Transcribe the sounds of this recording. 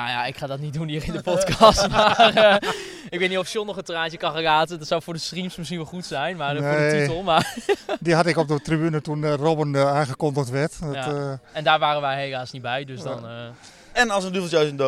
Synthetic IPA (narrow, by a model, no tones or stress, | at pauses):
naja̰ɪkχaːdɔtnit̚dunɦiːrɪndəpɔtkɑstmaːr | ɪk̚ʋɪniɔfsɪlˠnɔχəntraːnt͡ʃəkɑχəkaːtədɔtsawfʊːɹdəstrimsmɪsχinʋɛlˠχutsɛjnmaːdɔeisɔmadiɦɑtɪkɔb̚dətribynətunrobənaχəkɔndətʋɛt | ɛndaːɹʋaːrənʋɛjɦejlaːsnit̚bɛjdøsdɔn | ɛnɑlˠsəndyvl̩ˠjaɥsəndo